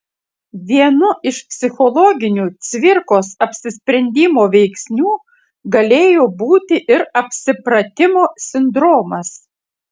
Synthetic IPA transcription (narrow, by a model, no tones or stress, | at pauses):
ʋʲiɛnʊʔɪʃpʲsʲɪxɔlˠɔɡʲɪnʲuːt̪sʲʋʲɪɾkoːsɐpʲsʲɪsʲpʲɾʲɛnʲd̪ʲɪmoːʋʲɛɪksʲnʲuː | ɡɐlʲeːjoːbuːt̪ʲɪʔɪɾɐpʲsʲɪpɾɐt̪ʲɪmoːsʲɪnd̪ɾɔːmɐs